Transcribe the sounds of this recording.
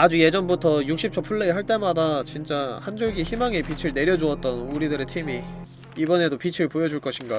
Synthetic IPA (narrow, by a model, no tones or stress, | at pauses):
ad͡ʑuje̞d͡ʑʌnbutʰʌjuk̚ɕ͈ʰip̚t͡ɕʰʌpʰuɭːeiɦaɭt͈e̞madat͡ɕint͡ɕ͈ahand͡ʑoɭɡiçimaŋepit͡ɕʰɯɭne̞ɾjʌd͡ʑuʌt̚t͈ʌnuɾidɯɾe̞tʰimi | ibʌne̞dopit͡ɕʰɯɭpojʌd͡ʑuɭk͈ʌɕʰinɡa